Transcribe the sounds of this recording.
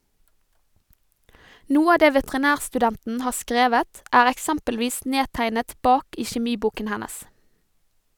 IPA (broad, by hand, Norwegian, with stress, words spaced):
ˈnuːə ˈɑː ˈdeː ʋɛtɛʁɪˈnæːʁsʈʉˌdɛntn̩ ˈhɑː ˈskɾeːʋət ˈæːɾ ɛkˈsɛmpəlˌʋiːs ˈneːtæɪnət ˈbɑːk ˈiː çɛˈmiːˌbuːkən ˈhænəs